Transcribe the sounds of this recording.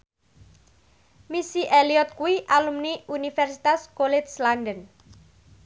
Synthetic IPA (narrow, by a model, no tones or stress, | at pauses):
misiʔeliɔt̪̚kuwiʔalumniʔunifɛrsi̥t̪askolɪt̪̚slandən